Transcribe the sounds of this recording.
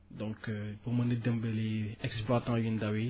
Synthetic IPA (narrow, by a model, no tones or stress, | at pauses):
dɔ̃kpuʁmanedəmbeleɛkspluat̪ãjindawi